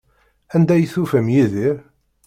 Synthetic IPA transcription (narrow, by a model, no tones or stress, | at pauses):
ænd̪æjθufəmjiðiɾ